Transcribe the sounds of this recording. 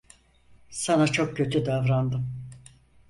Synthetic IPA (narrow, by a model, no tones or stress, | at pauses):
sanat͡ʃʰo̞k̚cːø̞t̪ʰyd̪avɾand̪ɯm